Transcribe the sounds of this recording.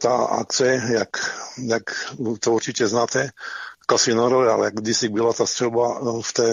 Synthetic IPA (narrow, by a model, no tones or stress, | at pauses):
t̪a̰a̰k̚t͡sɛjakjakt̪ouɾt͡ʃicʲɛznaːt̪ɛkasinɔɾovɛa̰lɛjaɡd̪isiɡ̚bilat̪ast̪r̥ɛlbaft̪ɛː